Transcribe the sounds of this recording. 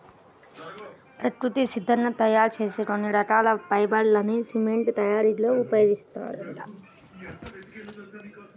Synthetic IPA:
pɾɐkɾut̪isid̪ʱːɐnːɐt̪ɐjaːɾt͡ʃe̞ːseʈonːiɾɐʈaːlɐpɐjbɐllɐnisimeɳʈt̪ɐjaːɾiloːupɐjeːɡist̪a̰ːɾɐ

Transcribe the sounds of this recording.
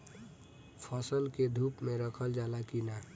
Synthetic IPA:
pʰəsəlked̪ʱuːpmẽɾəkʰəld͡ʒaːlakina

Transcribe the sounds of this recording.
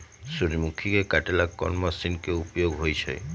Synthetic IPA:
suɾimukʰːikekaʈelakːɔ̰nmasinkeupjoɡɦojt͡ɕʰḛj

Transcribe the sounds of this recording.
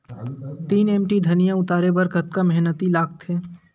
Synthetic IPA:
t̪iːneːmʈid̪ʱɐnijãʊt̪aːɾebəɾkət̪kamɛɦnət̪ilaːk̚t̪ɦeː

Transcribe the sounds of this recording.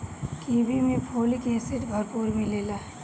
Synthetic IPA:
kiːbimẽpʰoːlikẽːsɪʈbʱɐɾpuːɾbʱĩleːlaɦɛ

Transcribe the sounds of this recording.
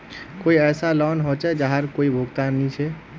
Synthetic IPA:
koiɛːsalɔnɦot͡ʃɛd͡ʒaɦaɾkoibʱuɡt̪anːit͡ʃʰɛ

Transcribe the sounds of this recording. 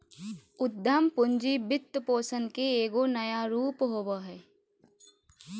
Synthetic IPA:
ʊd̪ʱəmpʊɲd͡ʒibɪt̪ːpoːsənkeeːɡonɐjaɾuːpɦoːbaɦɛː

